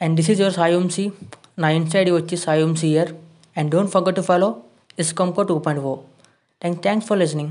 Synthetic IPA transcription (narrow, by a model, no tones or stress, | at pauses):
ɛ̃ɳɖd̪ɪsizjoɾsaːjũmsiː | nãɪnsaɪɖiʋət͡ʃːisaːjẽmsiːɦiəɾ | ɛ̃ɳɖɖõːɳʈfɔɾɡɛʈːufɔːloː | ɪskɔ̃mkoʈːuːpɔ̃jɳʈfoː | ʈɛ̃ŋt̪ʰɛ̃ŋksfɔɾlɪsnɪ̃ŋ